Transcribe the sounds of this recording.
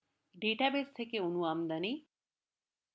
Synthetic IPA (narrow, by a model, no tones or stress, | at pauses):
ɖeːʈabest̪ʰekeunuamd̪ɐni